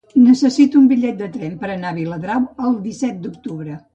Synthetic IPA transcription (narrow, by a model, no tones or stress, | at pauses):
nəsəsit̪uumbiʎɛt̪̚d̪ət̪ɾɛmpəɾənaβiləðɾawəlˠd̪isɛt̪̚d̪uk̚t̪uβɾə